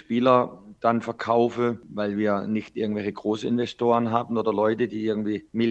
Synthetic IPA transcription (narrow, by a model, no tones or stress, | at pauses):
ʃpiːlɐd̥anfɛɐkʰaʊfəvaɪlviːɐnɪçtʔɪɐɡŋ̩tv̥ɛlçəɡ̥ʁoːsəɪnvɛstoːʁ̞ənɦaːbn̩oːdɐlɔʏtədiːʔɪɐɡŋ̩tv̥iːmɪl